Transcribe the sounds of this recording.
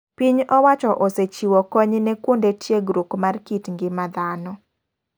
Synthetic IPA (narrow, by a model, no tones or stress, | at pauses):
piɲɔwat͡ʃɔʔoset͡ʃiwɔkɔɲnɛkwondetjeɡɾukmarkitŋɡɪmad̪anɔ